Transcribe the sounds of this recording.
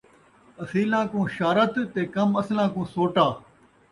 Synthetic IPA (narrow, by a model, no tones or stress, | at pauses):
ɐsiːlãːkũːʃaːɾət̪t̪ːeːkɐmɐslãːkũːsoːʈaː